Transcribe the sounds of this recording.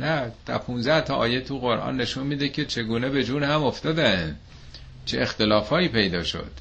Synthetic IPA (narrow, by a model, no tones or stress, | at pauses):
næd̪̥æ̰ɾpʰunzæht̪ʰɒʔɒːjet̪ʰuɣo̞ɾʔɒ̰ːnːe̞ʃunmiːd̪ekʲʰe̞t͡ʃʰe̞ɡuːne̞be̞d͡ʒuːnhæmoft̪ɒːd̪æn | t͡ʃʰeext̪e̞lɒːfɒːiːpʰe̞jd̪ɒːʃo̰d̪̥